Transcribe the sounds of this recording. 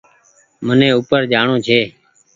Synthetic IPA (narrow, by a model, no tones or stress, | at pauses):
mənẽːuːpəɾd͡ʒaːɳõːd͡ʒʰʱeː